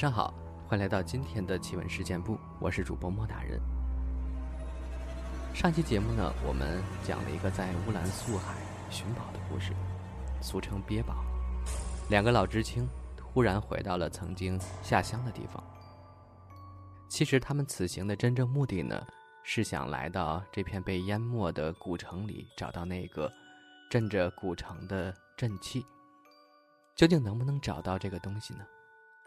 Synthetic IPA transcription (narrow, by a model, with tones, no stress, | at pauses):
ʂɑ˥ŋxɑ̰˨˩˦ʊ | xwe˥˩ɪla˧˥ɪt̪ɑ˥˩ʊt͡ɕi˥nt̪ʰjɛ˥nd̪ə˨t͡ɕʰi˧˥wə̰˧˥nʂɻ̩˥˧t͡ɕjɛ˥˧npu˥˩ | wʔɔ̰˨˩ʂɻ̩˥˩ʈ͡ʂu˨˩pwɔ˧˥mwɔ˥˩t̪a˥˩ɻə̰˧˥˦n | ʂɑ˥˩ŋt͡ɕʰi˥t͡ɕjɛ˧˥mu˥˩nə̰˩wɔ̰˨˩mʔə̰˦nt͡ɕjɑ̰˨˩ŋlʔə̰˧ḭ˧˥ɡə˧t͡sa˥˧ɪu˥la˧˥nsu˥˩xa˨˩˦ɪ | ɕy˧˥npɑ˨˩ʊd̪ə˦kṵ˥˧ʂɻ̩˥˩ | su˧˥˩ʈ͡ʂʰɤ˧˥ŋpjɛ˥pɑ˨˩˦ʊ | ljɑ˨˩ŋɡə˦lɑ˨˩ʊʈ͡ʂɻ̩˥t͡ɕʰi˥ŋxu˥ɻa˧˥nxwe˧˥ɪt̪ɑ˥˩ʊlə˩t͡sʰɤ˧˥ŋt͡ɕi˥ŋɕja˥˩ɕjɑ˥ŋd̪ə˨t̪ḭ˥˩fɑ̰˨˩ŋ | t͡ɕʰi˧˥ʂɻ̩˧˥t̪ʰa˥mə˨nt͡sʰɹ̩˨˩ɕi˧˥ŋd̪ə˧ʈ͡ʂə˥nʈ͡ʂɤ˥˧ŋmu˥˧t̪i˥˩nə̰˩ | ʂɻ̩˥˩ɕjɑ̰˨˩ŋla̰˧˥ɪt̪ɑ˥˧ʊʈ͡ʂɤ˥˧pʰjɛ˥˧npe˥˩ɪja˥nmwɔ˥˩d̪ə˩ku˨˩ʈ͡ʂʰɤ˧˥ŋlḭ˨˩˦ʈ͡ʂɑ˨˩ʊt̪ɑ˥˧ʊna˥˩ɡ̥ə̰˩ʈ͡ʂə˥˩nʈ͡ʂə˩ku˨˩ʈ͡ʂʰɤ˧˥ŋd̪ə˧ʈ͡ʂə˥˧nt͡ɕʰi˥˩ | t͡ɕjo˥˧ʊt͡ɕi˥˩ŋnɤ˧˥ŋbu˧nɤ˧˥ŋʈ͡ʂɑ˨˩ʊt̪ɑ˥˧ʊʈ͡ʂɤ˥˩ɡə˩t̪ʊ˥ŋɕi˨˩nə˩